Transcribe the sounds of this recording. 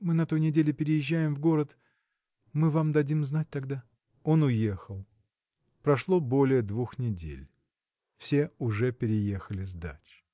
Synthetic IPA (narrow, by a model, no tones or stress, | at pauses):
mɨnɐt̪o̞jnʲɪdʲelʲɪpʲɪɾʲɪjɪʑːæjɪmvɡo̞ɾət̪ | mɨvamd̪ɐdʲimznat̚ʲt̪ɐɡd̪a | o̞nʊje̞xəlˠ | pɾɐʂlˠo̞bo̞lʲɪjəd̪vuxnʲɪdʲḛlʲ | fsʲeʊʐɛpʲɪɾʲɪjexəlʲɪzd̪a̰t͡ɕ